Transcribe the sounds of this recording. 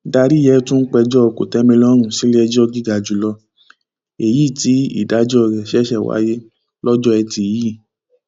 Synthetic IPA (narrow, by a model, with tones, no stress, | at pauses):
da˧ɾi˦jɛ˦tũ˦n̩˦k͡pɛ˧d͡ʒɔ˦o˧ko̰˨tɛ˨˦mĩ˧lɔ˦ɾ̃ũ˦˨si˨˦li˦ɛ˧d͡ʒɔ˦ɡi˦ɡa˨˧d͡ʒu˨˧˨lɔ˧ | e˨ji˦˨ti˨˦ḭ˦˨da˨˦d͡ʒɔ˦˨ɾɛ˨ʃɛ˦ʃɛ˦˨wa̰˦je˦ | lɔ˦d͡ʒɔ˦ɛ˧ti˧˨ji˦˨